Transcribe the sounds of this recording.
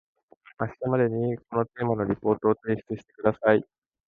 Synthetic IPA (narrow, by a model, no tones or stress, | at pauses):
aɕi̥t̪amad̪e̞ɲ̟iko̞no̞t̪e̞ːmano̞ɾʲipo̞ːt̪o̞ːt̪e̞ːɕi̥t͡sɨɕi̥t̪e̞kɯ̟d̪asai